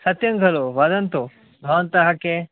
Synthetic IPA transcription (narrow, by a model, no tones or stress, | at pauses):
sɐt̪jɐ̃ŋɡʱɐloʋɐd̪ɐnt̪o | bʱɐʋɐnt̪ɐɦɐke